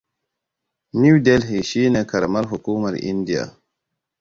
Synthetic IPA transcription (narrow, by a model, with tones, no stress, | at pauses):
ni˦wde˦lɦi˨ʃi˦ne˨ka˨ɾma˦ɾɦu˨kuː˦ma˨ɾḭ˦ndi˦ja̰˨